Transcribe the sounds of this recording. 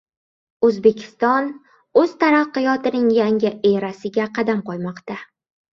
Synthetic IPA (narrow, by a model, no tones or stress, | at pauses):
ɵzbe̞kʲʰɪ̥st̪ɒn | ɵz̥t̪ʰaɾaqːɨjɒt̪ɪnɪŋjaŋʲɪʔeɾasɪɡʲaqʰɑd̪amqʰɒjmɒqt̪a